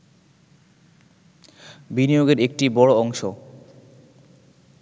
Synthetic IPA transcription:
binijoɡeɾek̚ʈibɔɽoɔŋʃo

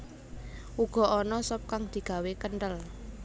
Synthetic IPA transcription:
uɡ̥ɔ̤ʔɔnɔsɔp̚kaŋd̪̥i̤ɡ̥a̤wekənʈəl

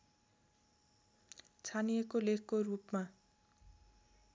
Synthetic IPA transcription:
t͡sʰanijekolekʰkorupma

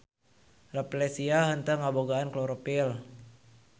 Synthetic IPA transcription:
raplɛsiaɦənt̪əŋaboɡaankloɾopil

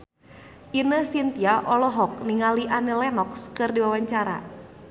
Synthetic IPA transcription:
ʔinəsint̪iaʔɔlɔɦɔk̚niŋaliʔanəlɛnɔkskɨrdiwawaɲt͡ʃaɾa̰

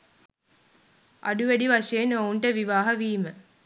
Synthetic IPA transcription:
a̰ɖuʋæɖiʋaʂejenouɳʈəʋiʋaːɦɐʋiːmə

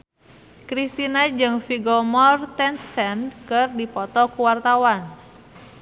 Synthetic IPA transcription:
kɾist̪inad͡ʒɨŋfiɡɔmɔrt̪ɛnsɛnkɨrdipɔt̪ɔkuwart̪awan

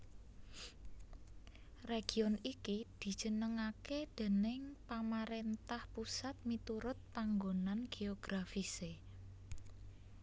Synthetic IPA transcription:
reɡ̥i̤ɔnikid̪̥i̤d̥ʒ̥ə̤nəŋaked̪̥e̤nɪŋpamaɾent̪ahpusat̪̚mit̪uɾʊt̪̚paŋɡonanɡ̥eoɡ̥ɾafise

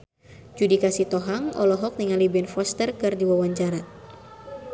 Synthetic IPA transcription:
d͡ʒudikasit̪ɔɦaŋɔ̰lɔɦɔk̚niŋalibɛnfɔst̪ərkɨrdiwawaɲt͡ʃaɾa

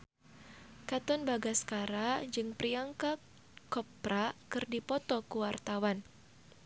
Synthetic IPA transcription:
kat̪ɔnbaɡaskaɾad͡ʒɨŋpriaŋka | kɔpɾakɨrdipɔt̪ɔkuwart̪awan

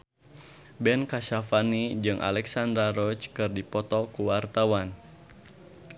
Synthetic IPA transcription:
bɛnkaʃafanid͡ʒɨŋʔa̰lɛksand̪ɾaɾɔt͡ʃkɨrdipɔt̪ɔkuwart̪awan

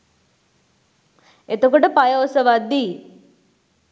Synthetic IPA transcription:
et̪okoʈəpajoːsəʋad̪ːiː

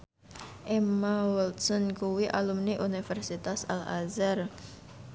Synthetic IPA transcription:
ʔemawɔlt̪sɔnkuwiʔalumniʔunifɛrsit̪asa̰la̰zar

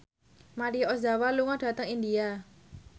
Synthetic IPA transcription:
maɾiɔsd̪a̤waluŋɔɖ̥a̤t̪əŋind̪ia

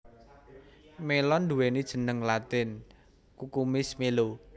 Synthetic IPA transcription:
melɔnd̪uwenid̥ʒ̥ə̤nəŋlat̪ɪn | kukumɪsmelo

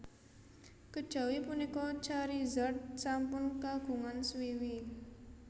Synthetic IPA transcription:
kəd̥ʒ̥a̤wipunikɔt͡ʃaɾizəʈ̚sampʊnkaɡ̥ṳŋanswiwi

